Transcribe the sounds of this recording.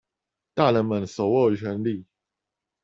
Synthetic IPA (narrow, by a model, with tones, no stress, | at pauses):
t̪a˥˩˨lə˨˦nmə˨˦nso˨˩˦ʊwo˥˩˨t͡ɕʰɛ˧˦nli˥˨